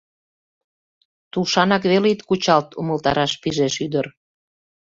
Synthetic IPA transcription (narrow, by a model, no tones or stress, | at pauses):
t̪uʃɑnɑkβelit̪kut͡ɕɑlt̪ṵməlt̪ɑ̰ɾɑʃpiʒeʃyd̪ər